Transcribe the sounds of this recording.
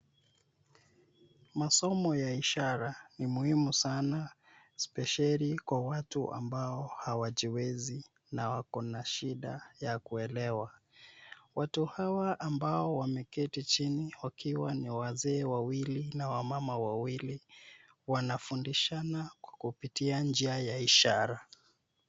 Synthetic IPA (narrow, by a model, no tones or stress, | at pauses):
masɔmɔjaiʃaɾanimuhimusana | spɛʃalikwawatṵʔa̰mbaɔhawaʄiwɛzi | nawakɔnaʃiɗa̰jakuɛlɛwa | watuhawaʔːmbaɔwamɛkɛtit͡ʃiniwakʰiwaniwazɛːwawilinawamamawawili | wanafundiʃanakwḁkupitiand͡ʒiajaiʃaɾa